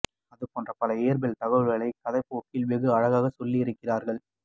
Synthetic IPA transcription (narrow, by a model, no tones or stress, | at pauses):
ɐðɯpoːndrɐpɐlɐeːɾbɛlt̪ɐɣɐʋɯɾɣɐɭɐɪkːɐðɐɪpːoːkːɪlʋɪɣɯɐɻɐɣaːɣɐsɔlːiɪɾɯkːɪraːɾɣɐɭ